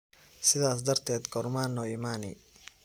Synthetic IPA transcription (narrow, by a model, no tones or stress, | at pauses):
sɪðaːs̬d̪ɐrt̪ʰɛːd̪ɡɔrmaːnːɔiːmaːnɪ̰